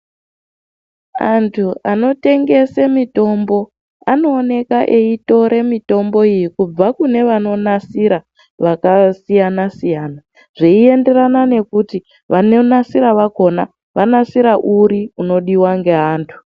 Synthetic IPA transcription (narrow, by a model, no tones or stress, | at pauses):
antʰuano̞te̞ŋɡe̞semito̞mbo̞ | ano̞ːne̞kaʔe̞ito̞ɾe̞mito̞mbo̞ijikub͡vakune̞ʋano̞nasiɾa | ʋakasijanasijaːna | ʐ̥eie̞nde̞ranane̞kuti | ʋano̞nasiɾaʋako̞na | ʋanasiɾaʔuɾiuno̞ɗiwaŋɡe̞ɦaːntʰu̥